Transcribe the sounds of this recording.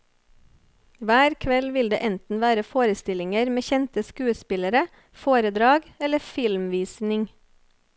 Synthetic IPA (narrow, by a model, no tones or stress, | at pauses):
ʋæːɾkʰʋɛlʋɪld̪ḛːʔɛnt̪n̩ʋæːɾəfoːɾəst̪ɪlɪŋəɾmeːçɛnt̪əskʉːəspɪləɾə | foːɾəd̪ɾɑːɡɛləfɪlmʋiːsnɪŋ